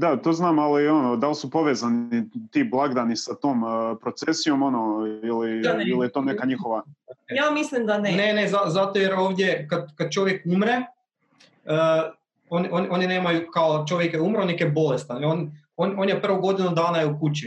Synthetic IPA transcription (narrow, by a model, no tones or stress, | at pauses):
d̪at̪oːznaːmalio̞nod̪alsupo̞ʋezanit̪iːblˠaɡd̪anisat̪oːmpɾot̪sesijo̞mo̞noiliilijɛt̪oːnekaɲixoʋajamislimd̪anene̞nezazat̪ojeɾo̞ːʋd̪jekad̪kad̪̚t͡ʃo̞ʋje̞kumɾe̞ | oniʔo̞nʔo̞nine̞ːmajukaot͡ʃo̞ʋjekjeumɾonekebo̞lest̪aneon | ono̞njepr̩ʋoɡo̞d̪inud̪aːnajeukut͡ɕi